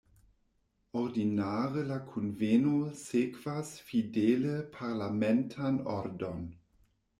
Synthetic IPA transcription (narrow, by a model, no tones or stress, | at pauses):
ɔʁdinaːʁəlakʰunvenosekv̥asfideːləpʰaʁlamɛntʰanɔɾdon